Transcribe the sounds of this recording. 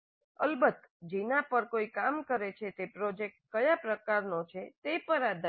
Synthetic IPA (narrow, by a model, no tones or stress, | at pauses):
əlbət̪ | d͡ʒinapəɾkoikamkəɾet͡ʃʰet̪epɾod͡ʒek̚ʈ̚kəjapɾəkaɾnot͡ʃʰet̪epəɾad̪